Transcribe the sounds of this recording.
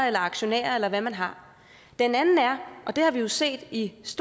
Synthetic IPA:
elɐɑ̈ɡ̥ɕo̝nḛːɐelɐʋæmænɦɑ̈ | d̥enænn̩æɐʔɒ̽d̥e̝hɑ̈ʋijo̝se̝̰ːd̥isd̥

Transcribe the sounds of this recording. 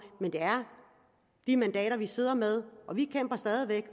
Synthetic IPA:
mend̥eæɐ | d̥imænd̥ɛ̰ːɾɐʋise̝ð̰ˠɐmeð̞ˠʔɒ̽ʋikʰem̰b̥ɐsd̥ɛːðˠiʋeɡ̥

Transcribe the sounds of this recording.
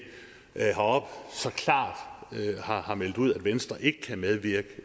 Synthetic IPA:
hɑɒb̥sɒ̽kʰlɑ̰̈ːd̥hɑ̈hɑ̈mel̰d̥uð̰ˠæd̥ʋensd̥ʁɐʔe̝ɡ̥əkʰæmeð̞ˠʋiɐɡ̥ə

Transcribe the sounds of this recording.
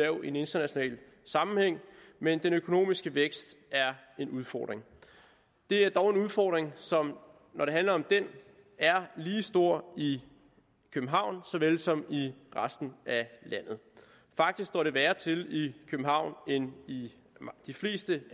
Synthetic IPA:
ɛʊe̝ne̝nd̥ɐnæɕo̝nɛ̰ːl | sɑ̈mm̩heŋ̰mend̥enøkʰo̝no̝̰ːmisɡ̥əʋeɡ̥sd̥æɐe̝nuð̞ˠfɒ̰ːd̥ʁeŋ | d̥e̝æɐd̥ɒʊe̝nuðˠfɒ̰ːd̥ʁeŋsɒ̽m | nɒɾe̝ɦænlɐɒ̽md̥en | æɐliːsd̥o̝ɐ̰i | kʰøb̥m̩ɦɑ̈ʊ̰nsɒ̽ʋelsɒ̽miʁasd̥n̩ælæn̰ð̞̩ˠ | fɑ̈ɡ̥̚d̥isɡ̥d̥ɒ̰ɾ̥e̝ʋæːɐt͡sʰe̝likʰøbm̩ɦɑ̈ʊ̰neni | d̥ifle̝̰ːsd̥ə

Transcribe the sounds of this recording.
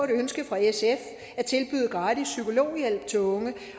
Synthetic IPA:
ɾ̥ønsɡ̥əfʁɑ̈esef | æt͡sʰe̝lb̥y̰ːð̩ˠɡ̥ʁɑ̈ːd̥isːykʰo̝lo̝̰ːjel̰b̥̚t͡sʰelɔ̽ŋə

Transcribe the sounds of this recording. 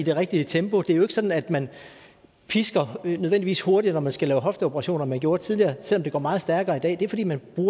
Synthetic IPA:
id̥e̝ʁeɡ̥̚d̥iət͡sʰemb̥o̝d̥e̝æjo̝e̝ɡ̥sɒ̽d̥n̩æd̥mæn | pʰisɡ̥ɐnøðˠend̥iʋḭːsho̝ɐɾinɒmænsɡ̥ælɛːʊɦɒ̽fd̥əo̝b̥ʰɐʁɑ̈ɕo̝̰ːnɐmænɡ̥jo̝ːɐt͡sʰið̞ˠliɐːsel̰ɒ̽mde̝ɡ̥ɒ̰ːmɑ̈ːð̩ˠsd̥æɐɡ̥ɐːid̥ɛ̰ːd̥e̝æɐfɒ̽dḭːmænb̥ʁuːɐ

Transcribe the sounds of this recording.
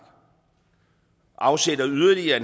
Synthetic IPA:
ɡ̥ | ʔɑ̈ʊsed̥ɐyðˠɐliɐn

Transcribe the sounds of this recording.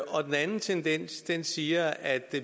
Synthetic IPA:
ɒ̽d̥enænn̩t͡sʰend̥en̰sd̥ensiːɐæd̥e̝

